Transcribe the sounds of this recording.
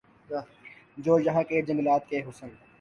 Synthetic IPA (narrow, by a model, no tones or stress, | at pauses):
d͡ʒoːld͡ʒɐɦakeːd͡ʒɐməlaːt̪̚keɦʊsən